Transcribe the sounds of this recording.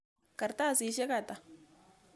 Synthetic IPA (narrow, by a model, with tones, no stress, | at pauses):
ka˨ɾta˦˨si˨˦ʃe˦ka˨ta˨